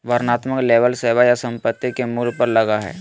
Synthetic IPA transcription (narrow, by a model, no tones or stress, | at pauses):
ʋəɾnaːt̪məkleːʋəlseːʋajasə̃mpət̪ːikemuːlpəɾlɐɡaɦɛ̰ː